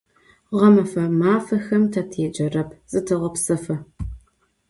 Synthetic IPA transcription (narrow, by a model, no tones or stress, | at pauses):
ʁɐmɐfɐmaːfɐxɐmtʰɐtʰeːd͡ʒʼɐrɐpʰzʼɨtʰɨʁɐpsɐfɐ